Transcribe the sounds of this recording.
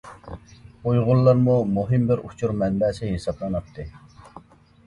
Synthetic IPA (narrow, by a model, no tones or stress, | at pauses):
ujʁʊlˠːɑɾmumuɦimbɪɾut͡ʃʰuɾmɛnbɛːsɪɦesɑblˠɑnɑp̚t̪ʰːɨ